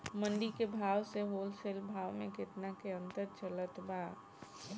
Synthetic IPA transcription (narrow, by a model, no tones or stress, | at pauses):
mə̃nɖikebʱaːʋseɦoːlselbʱaːʋmẽkɪt̪nakeə̃nt̪əɾt͡ʃələt̪ba